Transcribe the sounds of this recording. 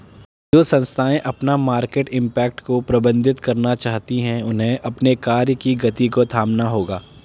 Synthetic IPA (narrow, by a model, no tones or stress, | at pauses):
d͡ʒoːsɐ̃nst̪ʰaːẽʔɐpnamaːɾkeːʈɪ̃mpɛːk̚ʈkopɾɐbə̃nd̪ʱɪt̪kɐɾnat͡ʃaːɦt̪iɦɛ̃ʊnɦẽʔɐpnekaːɾjəkiɡɐt̪ikot̪ʰaːmnaɦoːɡaː